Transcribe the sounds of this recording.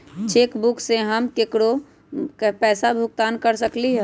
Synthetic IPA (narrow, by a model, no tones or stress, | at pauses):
t͡ʃeːkbʊkseɦəmkekɽo | pɛːsabʱʊk̚t̪aːnkəɾsəkliɦɛ